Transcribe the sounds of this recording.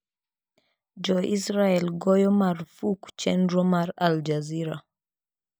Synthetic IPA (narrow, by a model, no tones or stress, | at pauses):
d͡ʒɔʔisɾaɛlɡɔjɔmaɾfuku̥t͡ʃɛndɾɔmaɾald͡ʒaziɾa